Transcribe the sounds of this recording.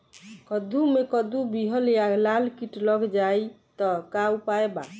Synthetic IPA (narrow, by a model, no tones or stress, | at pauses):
kɔd̪ʱumekəd̪ubiɦəljalalkiʈləɡd͡ʒajt̪ɔkaupaeba̰